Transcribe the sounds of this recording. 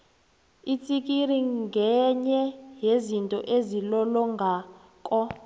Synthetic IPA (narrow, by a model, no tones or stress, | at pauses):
itʰʼik̬ʼiriŋɡʱɛɲɛɦezintʼɔʔezilɔlɔŋɡʱaː | kʼɔ